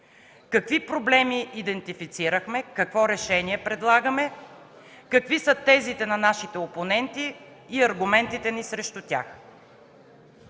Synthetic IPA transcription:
kɐkvipɾoblɛmiʔːd̪ɛnt̪ifit̪siɾəxmɛkɐkvɔɾɛʃɛniɛpɾɛd̪lˠaɡɐmɛ | kɐkvisət̪ɛzit̪ɛnɐnaʃit̪ɛoponɛnt̪iː | ɐɾɡʊmɛnt̪it̪ɛnisɾɛʃt̪ut̪ʲa̰x

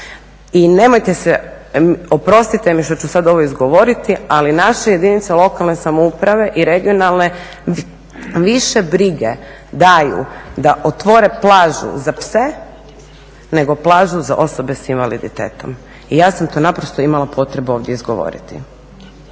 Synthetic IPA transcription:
ine̞mo̞jt̪ese | opɾo̞st̪it̪emiʃt̪ot͡ɕusad̪o̞ʋoizɡo̞ʋo̞ɾit̪ialinaʃeje̞d̪init̪selˠo̞kalˠne̞samoupɾaʋe̞ʔiɾe̞ɡio̞nalˠne̞ | ʋiʃe̞bɾiɡe̞ | d̪ajṵd̪aʔot̪ʋo̞ɾe̞plˠaːʒṵzapse | ne̞ɡo̞plˠaːʒuza̰ʔo̞so̞be̞sinʋalid̪it̪ḛːt̪o̞̰m | ijaːsamt̪o̞ːnapɾo̞st̪oimalˠapʰo̞t̪ɾe̞buo̞ʋd̪jeizɡo̞̰ʋo̰ɾḭt̪ḭ

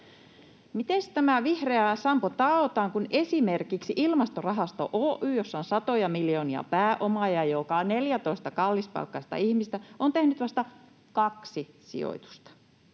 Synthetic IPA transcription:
mit̪est̪æmæʋihreæsɑmpot̪ɑot̪ɑːŋkunesimerkiksiʔilmɑst̪orɑɦɑst̪o̰ʔoːʔyːjosːɑonsɑt̪ojɑmiljo̞ːniɑ̰pæːʔomɑjɑjokɑneljæt̪oist̪ɑkɑlːispɑ̰lkːɑist̪ɑ̰ihmist̪æont̪ehnyt̪ʋɑst̪ɑ | kɑksi | sḭo̰it̪u̥st̪ɑ̥

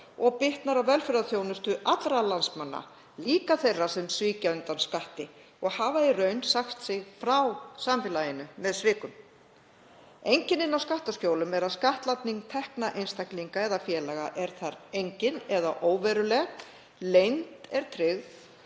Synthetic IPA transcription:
ɔɣpɪht̪naɾawvɛlfɪɾðaθjownʏst̪ʏʔat̪lɾalansmanːa̰ | liːkaθejrːasɛmsviːcaʏnt̪anskaht̪ɪ | ɔɣhaːvairœɥnsaxt̪sɪɣfɾawsamfɪlajɪnʏmɛðsvɪːkʏm | ejɲcɪnɪnːawskaht̪ascoːwlʏmɛɾaðskaht̪lat̪niŋt̪ʰɛhknaʔejnst̪ajkliŋkaɛðafjɛːlɛɣaʔɛɾ̥θaɾejɲcɪnɛðaʔoːwvɛɾʏlɛɣt̪ | lejnt̪ɛɾ̥t̪ʰɾɪɣ

